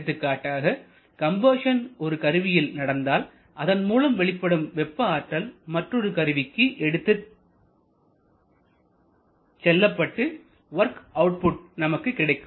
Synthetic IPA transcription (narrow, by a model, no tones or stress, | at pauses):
t̪ːɯkːaːʈːaːɣɐ | kɐmbɐːʂɐnɔɾɯkɐɾɯʋɪjɪlnɐɽɐnd̪aːl | ʔɐðɐnmuːlɐmʋɛɭɪpːɐɽɯmʋɛpːɐaːʈːɐlmɐʈrɔɾɯkɐɾɯʋɪkːɯʔɛɽɯt̪ːɯ | sɛlːɐpːɐʈːɯ | ʋɐɾkɐʊʈ̚pʊʈ̚nɐmɐkːɯkːɪɽɐɪkːɯ